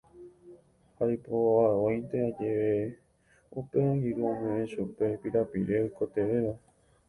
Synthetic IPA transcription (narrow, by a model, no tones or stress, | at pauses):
haipoaojnt̪ead͡ʒeʋe | upeõŋɡiɾuõmɨ̃ẽʃupe̞piɾapḭɾeojkot̪e̞ʋeʋa